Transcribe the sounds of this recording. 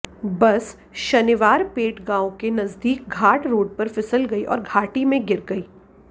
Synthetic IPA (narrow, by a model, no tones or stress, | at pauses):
bɐs | ʃɐniʋaːɾpeːʈɡãːõkenɐzd̪iːk̚ɡʱaːʈɾoːɖ̚pɐɾfɪsəlɡɐiʔɔ̰ːɾɡʱaːʈimẽɡɪɾɡɐiː